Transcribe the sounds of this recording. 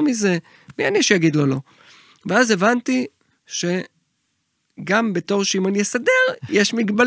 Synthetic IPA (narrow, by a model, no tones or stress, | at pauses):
mize̞ | mianiʃejaɡid̪lolo̞ | veaze̞vant̪i | ʃe̞ | ɡambe̞to̞ʁʃeimanijesade̞ʁje̞ʃmiɡbal